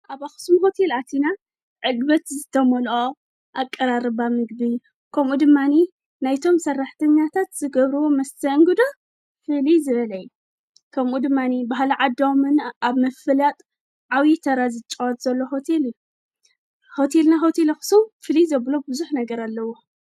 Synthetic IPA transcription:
ʔaβaxɨ̥sumɦo̞t̪ʰe̞lat̪ʰina | ʕɨd̪bɐt̪zɨt̪ʰɐmolʔo | ʔakʼːɐɾaɾɨβamɨɡbij | kʰɐmʔud̪ɨmːani | najt̪ʰo̞msɐrːaħt̪ʰɐɲːat̪ʰat̪z̥ɨɡɐβɾɨwomɐst̪ʰɐŋɡɨd̪o | fɨlizɨβɐlɐjːu | kʰɐmʔud̪ɨmːanibaɦlʕad̪amɨnaβmɐfɨlat̪ʼ | ʕawjit̪ʰɐɾazɨt͡ʃʼwat̪z̥ɐlːo̞ɦo̞t̪ʰe̞lɨju | ho̞t̪ʰe̞lnaɦo̞t̪ʰelaxɨ̥sumfɨlizɐβlobɨzuħnɐɡɐɾalːɐwo̞

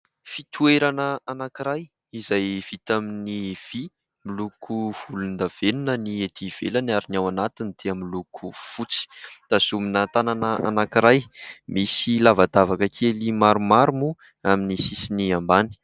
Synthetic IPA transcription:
fit̪ʰueɾanəanakiɾaj | izajv̥it̪aminiv̥i | milukʰuv̥ulund̪av̥enunənied̪iv̥elanaɾinawanat̪inid̪̥eamilukʰufut͡si̥d̪̥azuminat̪ananəʔa̰nakiɾajmisilavad̪avakəkʰelimaɾumaɾumu | aminisisiniambani̥

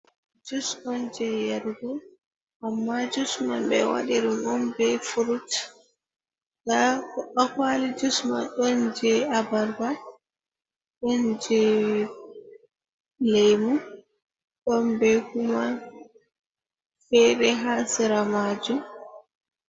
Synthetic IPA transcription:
d͡ʒusmɔnd͡ʒɛjaɾɡu | ʔamːad͡ʒusmanbɛ̰wa̰ɗiɗumɔnbɛfuɾut | kaakwalid͡ʒusmanɗɔnd͡ʒɛabaɾba | ɗɔnd͡ʒɛ | lɛjmu | ɗɔmbɛkuma | fɛɾɛɦasiɾamad͡ʒum

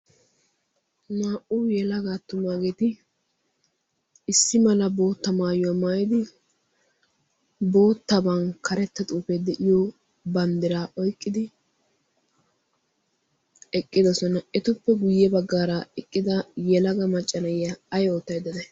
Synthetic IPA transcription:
naːʔujɛlɐɡat̪ːʊmaːɡeːt̪ɪ | ɪsːɪmɐlɐbo̞ːt̪ːɐmaːjɔwamaːjɪd̪ɪ | bo̞ːt̪ːɐbɐnkʰɐɾɛt̪ːɐt̪ʼuːpɛd̪ɛʔɪjɔ | bɐnd̪ɪɾaʔɔjkʼːɪd̪ɪ | ɛkʼːɪd̪ɔsɔnɐɛt̪ʊpːɛɡʊjːɛbɐɡːaːɾɐɛkʼːɪd̪ɐjɛlɐɡɐmɐt͡ʃʼːɐnɐjːɐɐjoːt̪ːɐjd̪ɐd̪ɛ

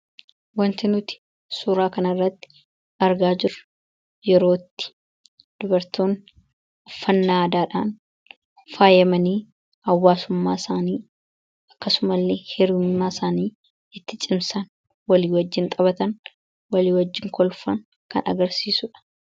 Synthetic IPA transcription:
wɐnt̪ɪnʊt̪ɪ̥ | suːɾaːkɐnɐrːɐt̪ːɪ̥ | ɐɾɡaːd͡ʒɪɾʊ | jɛɾo̞ːt̪ːɪ̥ | d̪̥ʊbɐɾt̪oːn | ɔfːɐnːaːd̪aːᶑaːn | faːjɐmɐniː | ɐwːaːsʊmːaːsaːniː | ɐkːɐsʊmɐlːehɛɾmːaːsaːniː | ɪt̪ːɪt͡ʃʼɪmsɐn | wɐliːwɐd͡ʒːɪnt̪ʼɐβɐt̪ɐn | wɐliːwɐd͡ʒːɪŋkɔlfɐŋ | kɐ̰nɐ̰ɡɐɾsiːsʊᶑɐ̥

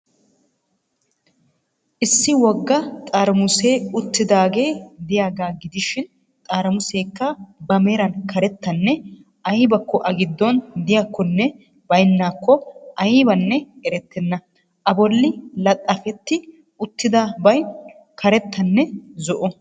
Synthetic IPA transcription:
ʔɪsːɪwɔɡːɐt̪ʼaːɾɐmʊse̞ːʊt̪ːɪd̪aːɡe̞ːd̪ɪjaːɡaːɡɪd̪ɪʃɪn | t̪ʼaːɾɐmʊse̞ːkːɐbɐmeːɾɐnkʰɐɾɛt̪ːɐnːɛ | ʔɐjɪbɐkːɔʔɐɡɪd̪ːɔnd̪ɪjakːɔnːɛ | bɐjnːaːkːɔʔɐjɪbɐnːɛɛɾɛt̪ːɛnːɐ | ʔɐbɔlːɪlɐt̪ʼːɐfɛt̪ːɪ | ʊt̪ːɪd̪ɐbɐj | kʰɐɾɛt̪ʰːɐnːɛzɔʔɔ

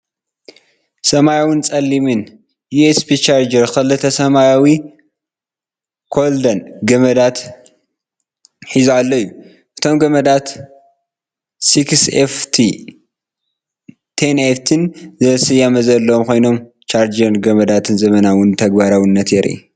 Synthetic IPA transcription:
sɐmajawɨnt͡sʼɐlːimɨn | juespʰit͡ʃaɾd͡ʒɐɾkʰɐlɨt̪ʰɐsɐmajawi | kʰo̞ld̪ɐnɡɐmɐd̪at̪ | ħizualːɐjːu | ʔɨt̪ʰo̞mɡɐmɐd̪at̪ | sikseft̪ʰi | t̪ʰeneft̪ʰɨnzɐsɨjamɐzɐlːɐmkʰo̞jno̞m | t͡ʃaɾd͡ʒɐɾnɡɐmɐd̪at̪ʰɨnzɐmɐnawɨnt̪ʰɐɡbaɾawɨnːɐt̪jɛɾʔḭ

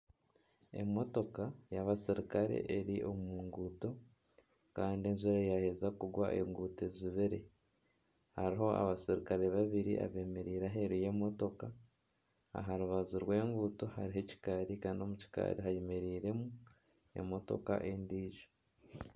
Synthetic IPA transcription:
e̞̰mo̞to̞kajaβasiɾikaɾe̞̰ʔeɾiʔo̞muːŋɡuːto̞ | kaːndienzuɾajahe̞zakuɡwaʔḛŋɡuːte̞ziβeɾe̞̰ | haɾiɦo̞a̰βasiɾikaɾe̞βaβiɾḭʔa̰βe̞ːmeɾiːɾaɦe̞ɾuje̞mo̞to̞ka | a̰ɦaɾuβazuɾwe̞ːŋɡuːto̞haɾiɦeci̥kaɾikaːndio̞muci̥ka̰ɾiɦajemeɾiːɾe̞mu | e̞̰mo̞to̞̰ka̰ʔe̞ndiːʒo̥

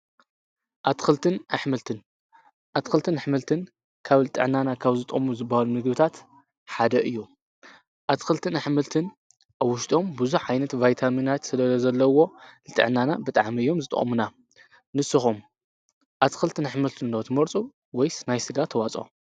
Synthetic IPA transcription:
ʔat̪ʰxɨlt̪ʰɨnaħmɨlt̪ʰɨn | ʔat̪xɨlt̪ʰɨnaħmɨlt̪ʰɨn | kʰaβlɨt̪ʼɨ̰ʕnanakʰaβzɨt̪ʼɨʔʼmuzɨbːahalunɨɡbɨt̪ʰat̪ | ħad̪ɐʔɨjːu | ʔat̪ʰxɨlt̪ʰɨnaħmɨlt̪ʰɨn | ʔaβwːʊʃt̪ʼo̞mbɨzuħʕajnɐt̪vajt̪ʰaminat̪sɨlɐlɐzɐlːɐwo̞lɨt̪ʼɨ̰ʕnanabɨt̪ʼaʕmiɨjːo̞mzɨt̪ʼɐ̰χʼmuna | nɨsɨxum | ʔat̪ʰɨxɨlt̪ʰɨnaħmɨlt̪ʰɨndot̪ʰɨmɐɾt͡sʼu | wɔjsnajsɨɡat̪ʰːɐwat͡sʼo̰

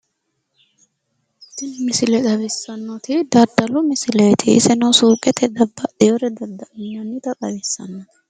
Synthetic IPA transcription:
t̪ːɪnmɪsɪlɛd̪ɐβɛsːɐnːoːt̪ɪd̪ɐɾd̪ɐlʊmɪsɪlɛjt̪ʰɪɪ̰sɛnɐsuːkʼɛt̪ʰɛd̪ɐbːɐd̪eɔɾɛd̪ɐd̪ːɐʔɐnːɔnːɪt̪ɐkʼɐbɛsːɐ̰nːoːt̪ɪ̥

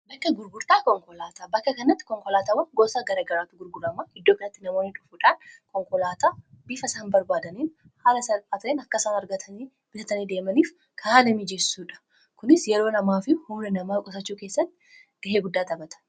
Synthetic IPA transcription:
bɐkːɐɡʊɾɡʊɾt̪aːkɔŋkʼɔlaːt̪aːbɐkːɐkɐnɐt̪ːɪ̥kɔŋkɔlaːt̪aːwɐŋɡɔːsaɡɐɾaːɡɐɾaːt̪ːʊɡʊɾɡʊɾɐmaːɪd̪ːoːkɐnɐt̪ːɪnɐmo̞ːnɪt͡ʃʼʊfuːᶑaːnkɔŋkʼɔlaːt̪aː | bifɐsaːnbɐɾbaːd̪ɐniːn | haːlɐsɐlaːt̪eːnɐkːɐsaːnɐɾɡɐt̪ʰɐniː | b̥ɪt̪ɐt̪ɐniːd̪eːmɐniːf | kʰaːnɐmid͡ʒɛsːuːᶑɐ̥ | kʊnɪsjɛɾo̞ːnɐmaːfɪhʊmɛnɐmaːkʼɔsɐt͡ʃːuːkeːsːɐt̪ːɪ | ɡ̥ɐɦeːɡʊd̪ːaːt̪ɐbɐt̪ʰɐ̥

